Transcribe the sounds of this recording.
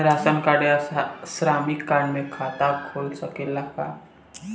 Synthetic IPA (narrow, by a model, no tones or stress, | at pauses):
ɾaːsənkaɽjasɾamikːaɳmẽkʰaːt̪akʰoːlsəkelaka